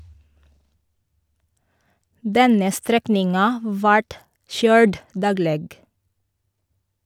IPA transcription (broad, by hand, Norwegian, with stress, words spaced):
ˈdɛnə ˈstɾɛknɪŋɑ ˈʋɑʈ ˈʃœʏɹd ˈdɑːɡleːɡ